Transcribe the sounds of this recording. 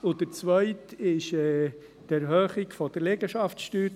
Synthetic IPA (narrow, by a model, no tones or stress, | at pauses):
ʊd̪əɾt͡sʋœʏtɪʃɛː | tæɾhœːχiɡfɔd̥əɾleɡəʃɑftʃtyːt